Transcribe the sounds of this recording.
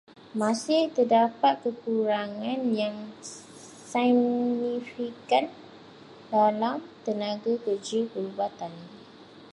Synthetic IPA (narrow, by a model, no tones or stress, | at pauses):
mãsɪht̪ədapat̪̚kəkuɾaŋãnjaŋ | sinifikan | dalamt̪ənãɡakəd͡ʒəpəɾubat̪an